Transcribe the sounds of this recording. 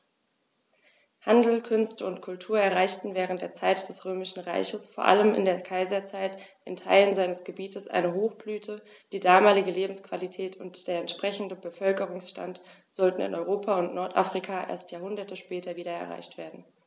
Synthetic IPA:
handl̩kʰʏnstəʊntkʰʊltʰuːɐɛɐʁaɪçtn̩vɛːʁ̞əntd̥eːɐt͡saɪtd̥ɛsʁøːmɪʃn̩ʁa̰ɪçəsfoːɐʔa̰ləmɪ̰ndeːɐkʰaɪzɐt͡saɪtʔɪntʰa̰ɪlənzaɪnəsɡ̥əbiːtəsʔa̰ɪnəɦoːxb̥lyːtʰə | d̥iːdaːmaːlɪɡəleːbm̩skv̥alitʰɛːtʰʊntd̥eːɐɛntʃpʁ̥ɛçn̩dəbəfœlkəʁ̞ʊŋsʃta̰ntz̥ɔltn̩ɪ̰nʔɔʏʁoːpʰaʊntnɔɐtʔa̰fʁ̥ikʰaʔḛːɐstjaːɐhʊndɐtəʃpɛːtʰɐviːɾɐɛ̰ɐʁ̞a̰ɪçtv̥eːɐdn̩

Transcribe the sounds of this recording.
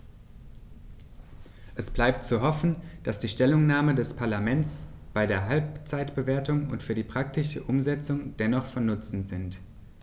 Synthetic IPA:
ʔɛsb̥laɪp̚tt͡suɦɔfn̩d̥asd̥iːʃtɛlʊŋnaːmədɛspʰaɐlamɛnt͡sb̥aɪdeːɐɦalpt͡saɪtb̥əveːɐtʊŋʊ̰ntfyːɐdiːpʁ̥ak̚tɪʃəʔʊmzɛt͡sʊŋd̥ɛnɔχfɔnːʊt͡sn̩z̥ɪnt

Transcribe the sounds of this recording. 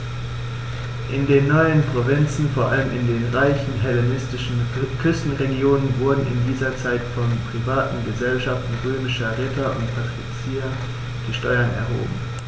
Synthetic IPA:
ʔɪndeːnːɔʏənpʁ̥ovɪnt͡sn̩foːɐʔa̰ləmʔɪndeːnʁaɪçn̩ɦɛlenɪstɪʃn̩kʰʏstn̩ʁeɡjoːnənvʊɐdn̩ɪ̰ndiːzɐt͡saɪtfɔnpʁ̥ivaːtn̩ɡəzɛlʃaftn̩ʁøːmɪʃɐʁɪtʰɐʔʊ̰ntpʰatʁ̥it͡sia | d̥iːʃtɔʏɐnɛ̰ɐɦo̰ːbm̩

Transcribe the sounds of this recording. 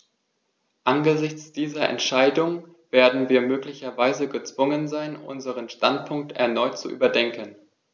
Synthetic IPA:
ʔanɡəzɪçt͡sd̥iːzɐʔɛ̰ntʃaɪdʊŋ | v̥eːɐdn̩viːɐmøːklɪçɐvaɪzəɡət͡sv̥ʊŋənzaɪnʔʊ̰nzəʁənʃtant̚pʰʊŋk̚tɛ̰ɐnɔʏtt͡suʔy̰ːbɐdɛŋkən

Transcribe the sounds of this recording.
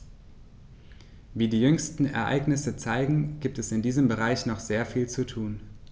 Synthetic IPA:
viːdiːjʏŋstn̩ɛ̰ɐʔa̰ɪɡnɪsət͡saɪɡŋ̩ɡ̥iːp̚tɛsɪndiːzəmbəʁ̞aɪçnɔχz̥eːɐfiːlt͡sutʰuːn

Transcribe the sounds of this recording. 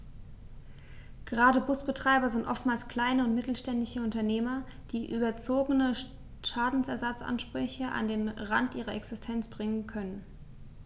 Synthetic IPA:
ɡ̥əʁaːdəbʊsb̥ətʁ̥aɪbɐzɪntʔɔ̰ftmaːlskl̥aɪnəʊntmɪtl̩ʃtɛndɪçəʊntɐneːmɐd̥iːʔyːbɐt͡soːɡənə | ʃaːdn̩sɛɐzat͡sʔa̰nʃpʁ̥ʏçəʔa̰ndeːnʁa̰ntʔiːʁ̞ɐʔɛksɪstʰɛnt͡sb̥ʁɪŋənkʰœnən

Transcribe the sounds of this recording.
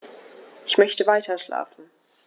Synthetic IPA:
ʔɪçmœçtəvaɪtʰɐʃla̰ːfn̩

